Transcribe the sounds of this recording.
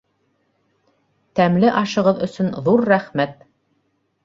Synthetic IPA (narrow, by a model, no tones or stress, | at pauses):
t̪æmlɘʔɑʃɤ̆ʁɤðɵ̆sɵnðuɾːæχmæt̪̚